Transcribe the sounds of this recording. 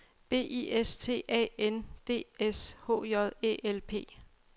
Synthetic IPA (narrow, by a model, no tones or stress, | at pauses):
b̥e̝̰ːiest͡sʰe̝̰ːɛ̰end̥e̝̰ːesho̝̰ːjɒðˠe̝̰ːʔelpʰe̝̰ː